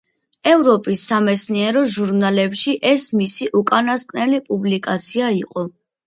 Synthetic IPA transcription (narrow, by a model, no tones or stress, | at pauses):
ɛvɾɔpʼisːamɛt̪sʰniɛɾɔʒuɾnalɛpʃiʔɛsmisiʔukʼanaskʼnɛlipʼublikʼat̪sʰiaiqʼɔ